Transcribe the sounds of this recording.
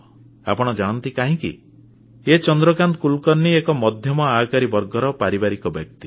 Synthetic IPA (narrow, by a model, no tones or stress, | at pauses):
a̰pɔɽ̃ɔd͡ʒaɽ̃ɔnt̪ikaɦĩkḭ | et͡ʃɔnd̪ɾɔkant̪ɔkulkɔɾnːiekɔmɔd̪ʱjɔmɔakaɾibɔɾɡɔɾɔpaɾibaɾikɔbjɔkt̪i